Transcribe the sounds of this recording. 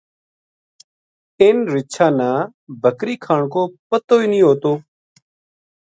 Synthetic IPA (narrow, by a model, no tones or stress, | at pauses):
ɪːnɾɪʃʰãːnãː | bʱəkɾiːkʰaːɳkoːpət̪oːiːnĩːɦoːt̪oː